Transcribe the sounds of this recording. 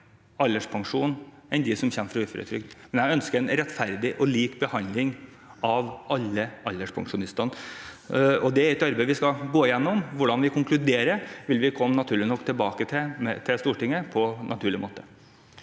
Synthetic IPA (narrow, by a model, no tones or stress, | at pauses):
ɑlːəʂpʰɑŋʂuːnɛnd̪ɪsɔmçɛmːəfɾɑʉːfɾə̰t̪ʰɾʏ̰k̚t̪mɛnjæœnskəɾɛnɾɛt̪fæɾd̪ɪʔɔliːkbəhɑnd̪lɪŋ | ɑʋɑlːəɑlːəʂpʰɑ̰ŋʂʊnɪst̪ɑn | ɔd̪ɛæɾɛt̪ɑɾbeɪʋɪskɑɡoːɪjɛnːɔmʋʊɖɑnʋɪkʰʊŋklʉd̪eːɾəʋɪlʋɪkʰɔmːnɑt̪ʰʉːɭɪnɔkːt̪ʰɪlbɑːkət̪ʰɪmɛt̪ʰɪst̪uːʈɪŋːəpʰɔnʔɑ̰t̪ʰʉːɭɪmoːt̪ə